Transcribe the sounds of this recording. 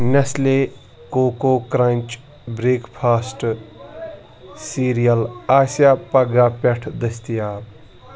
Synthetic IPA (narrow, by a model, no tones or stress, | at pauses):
nɐsle | koːkokɾɐnʲt͡ʃ | bɾeːkpʰaːsʈ | siɾijɐlaːsjapɐɡapɛʈʰd̪ɐst̪ijaː